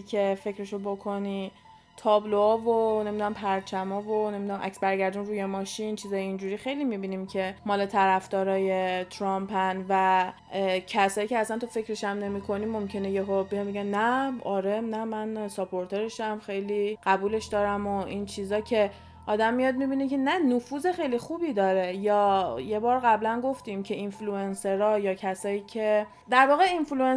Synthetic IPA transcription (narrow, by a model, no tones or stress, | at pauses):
ikʰe̞fe̞cʰɾeʃobo̞kʰo̞ni | t̪ʰɒːbloːvonemid̪unæmpʰæɾt͡ʃʰæmɒːvone̞mid̪unæmʔæ̰ksbæɾɟæɾd̪uːnɾuːje̞mɒːʃint͡ʃʰiːzɒːjeind͡ʒuːɾiːxe̞jlimibiːnimcʰe̞mɒːlet̪ʰæɾæfd̪ɒːɾɒːje̞t̪ʰɾɒmpʰænvæ | cʰæsɒːiːcʰɛæsænt̪ʰofe̞cɾeʃæmne̞mikʰo̞nimo̞mcʰe̞nejeɦobejɒnbeɡænnæɒːɾenæmænsopʰo̞ɾt̪ʰe̞ɾeʃæmxe̞jliɢ̥æbuːle̞ʃd̪ɒːɾæmoint͡ʃʰiːzɒːcʰe̞ | ʔɒːd̪æmːijɒːd̪̚mibiːnece̞nænofuːze̞xejlixuːbiːd̪ɒːɾe̞jɒːje̞bɒːɾɣæblænɡo̞ft̪imcʰe̞influense̞ɾɒːjɒːcʰæsɒːiːcʲʰe̞ | d̪æɾvɒːɣeinflue